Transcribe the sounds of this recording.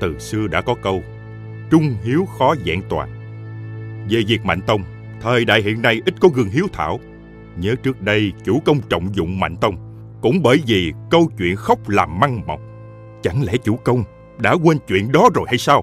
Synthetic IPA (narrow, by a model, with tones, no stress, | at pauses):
t̪ɨ˨˩sɨ˧əɗa̰ː˧˥kɔ˨˦kə˧w | t͡ɕʊ˧ŋ͡mhi˨˦əwxɔ˨˦zɛ̰ː˧˨ŋt̪wa̰ː˨˩n̚ | ve˨˩zi˨˩ək̚ma̰˧˨ŋ̟t̪ə˧wŋ͡m | t̪ʰəː˨˩jɗa̰ː˧˨jɦḭ˧˨ənːa˧jʔi˦˥t̚kɔ˨˦ɣɨ˨˧˩ŋɦi˨˦əwt̪ʰa̰ː˧˩˨w | ɲəː˨˦t͡ɕɨ˦˥ək̚ɗə˧jt͡ɕu˧˩kə˧wŋ͡mt͡ɕə̰˧˨wŋ͡mzʊ̰˧˨ŋ͡mma̰˧˨jŋ̟t̪ə˧wŋ͡m | kʊ̰˧˥ŋ͡mɓəː˧˩jvi˨˩kə˧wt͡ɕwḭ˧˨ənxə˦˥wk͡p̚laː˨˩mːa˧ŋmə˨˩wk͡p̚ | t͡ɕa˧˩ŋlɛ̰˧˥t͡ɕu˧˩kə˧wŋ͡m | ɗa̰ː˧˥kwe˧nt͡ɕwḭ˧˨ənɗɔ˨˦zo˨˩jha˧jsaː˧w